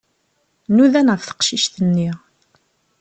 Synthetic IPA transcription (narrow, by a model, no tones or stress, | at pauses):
nuðænʁəfθə̥qʃiʃθənːi